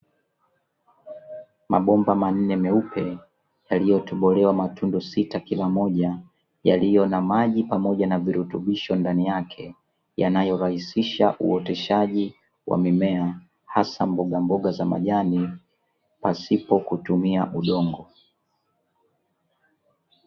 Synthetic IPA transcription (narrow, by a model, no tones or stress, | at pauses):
maɓɔmbaman̩nɛmɛupʰɛ | jalijɔtɔɓɔlɛwamatundɔsitakilamɔʄa | ja̰lijɔnamaʄipamɔʄanaviɾutuɓiʃɔndanijakʰɛ | janajɔɾahisiʃaʔṵɔtɛʃaʄi | wʔa̰mimɛa | hasambɔɠambɔɠazama̰ʄani | pasipɔkutumiaʔuɗɔŋɡɔ